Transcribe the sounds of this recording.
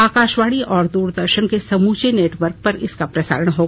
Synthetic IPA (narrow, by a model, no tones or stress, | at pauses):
aːkaːʃʋaːɽiʔɔːɾd̪uːɾd̪əɾʃənkesɐmuːt͡ʃeneːʈʋəɾk̚pɐɾɪskapɾɐsa̰ːɾəɽ̃ɦoːɡaː